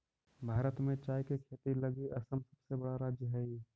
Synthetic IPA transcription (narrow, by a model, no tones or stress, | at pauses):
bʱaːɾət̪mẽt͡ʃaːikekʰet̪iləɡiʔəsəmsəbsebəɽaɾaːd͡ʒjəɦɛi